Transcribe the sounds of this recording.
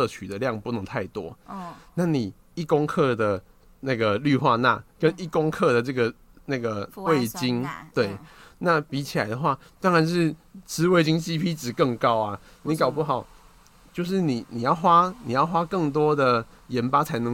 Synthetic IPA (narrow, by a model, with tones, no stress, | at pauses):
ə˥˧t͡ɕʰy˨˩d̪ə˩ljɑ˥˨˩ŋpu˥˩nɤ˧˥ŋt̪ʰa˥˩ɪt̪wɔ˦na˥˩ni˨˩ | i˥˩ko˥ŋkʰɤ˥˧d̪ə˩ | na˥˩ɡə˩ly˥˧xwa˥˧na̰˥˧˩kə˦ni˥˩ko˦ŋkʰɤ˥˧d̪ə˩ʈ͡ʂɤ˥˩ɡə˩ | na˥˧ɡə˩we˥˩ɪt͡ɕi˦ŋt̪we˥˩ɪna˥˩pi˧˥t͡ɕʰi˨la̰˨˦ɪd̪ə˨xwa˥˩t̪wa˥ŋɻa˧˦nʂɻ̩˥˩t͡sɹɻ̩˥we˥˩ɪt͡ɕi˦˥ŋt͡ɕi˥pʰi˥t͡sɹ̩˨˩kə˥˧ŋkɑ˦ʊa˨ | ni˧˦˥kɑ˨˩ʊpu˥˩xɑ˨˩˦ʊ | t͡ɕjo˥˧ʊʂ̬ɻ̩˥˩ni˨˩˦ni˨˩jɑ˥˩ʊxwa˥ni˨˩jɑ˥˩ʊxwa˦˥kə˥˩ŋt̪̬wɔ˥d̪ə˨˩ | jɛ˨˧˦npa˥t͡sʰa˧˥ɪnə˧˦ŋ